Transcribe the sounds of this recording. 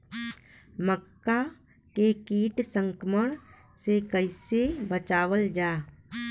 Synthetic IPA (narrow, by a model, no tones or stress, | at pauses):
məkːa | kekiːʈsə̃ŋkməɽ̃ | sekəɪsebət͡ʃaːʋəld͡ʒaː